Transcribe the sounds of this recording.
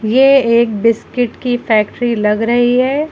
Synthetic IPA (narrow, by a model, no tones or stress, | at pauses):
jeeːk̚bɪskɪʈkifɛːk̚ʈɾilɐɡɾɐɦiɦɛː